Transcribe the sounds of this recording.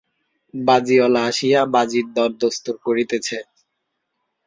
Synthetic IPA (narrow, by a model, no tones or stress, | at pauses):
bad͡ʑiɔlaaʃijabad͡ʑiɾd̪ɔɾd̪ost̪uɾkoɾit̪et͡ɕʰe